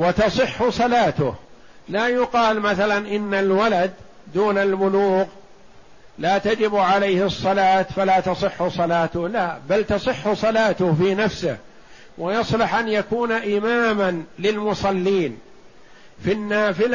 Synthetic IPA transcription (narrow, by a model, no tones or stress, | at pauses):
wɑt̪ɑsˤɨħːʊsˤɑlaːt̪ʊ̰h | laːjʊqɑːlmaθalanʔɪnːalwalad̪ː | uːnalbʊluːɣ | laːt̪ad͡ʒɪbʕalajhɨsˤːɑlaːt̪falaːt̪ɑsˤɨħːʊsˤɑlaːt̪ʊhlabalt̪ɑsˤɨħːʊsˤɑlaːt̪ʊhfiːnafsɪ̰h | wʔajɑsˤlɑħʔanjakuːnaʔɪmaːmanlɪlmʊsˤɑlːiːn | finːaːfɪla